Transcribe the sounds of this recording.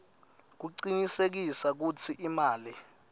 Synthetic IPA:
k̬uǀiɲisek̬isak̬ut͡sʰiʔimaːli

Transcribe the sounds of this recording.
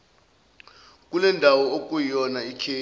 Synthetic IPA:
kʼulɛndʱawɔok̬ʼujijɔnaikʰeː

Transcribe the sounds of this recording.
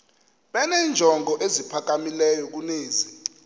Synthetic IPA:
ɓɛnɛːnd͡ʒʱɔŋʱɔʔezipʰak̬amilɛjɔk̬uneːzi

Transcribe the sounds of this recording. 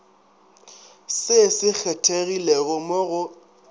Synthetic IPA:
sɪsɪk͡xʰɛtʰeɣileɣʊmoɣʊ

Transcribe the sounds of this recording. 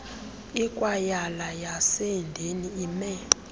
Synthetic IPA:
ikʼwajalajaseindʱeniimɛ

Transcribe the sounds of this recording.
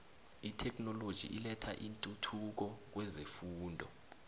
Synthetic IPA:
itʰɛk̬ʰnɔlod̥ʒ̥ʱḭʔilɛtʰaʔintʼutʰuk̬ɔk̬wɛzefuːndʱɔ

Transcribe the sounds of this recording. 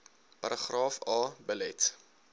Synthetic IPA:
pɐɾʔəχrɑːfɑːbəlɛt

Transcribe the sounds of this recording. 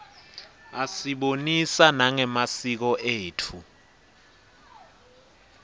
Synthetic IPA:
asiɓonisanaŋɛmasik̬ɔʔeːtʰu

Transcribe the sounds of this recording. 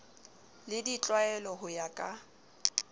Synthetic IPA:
lɪdit͡ɬʼwaɛlɔɦʊjakʼa

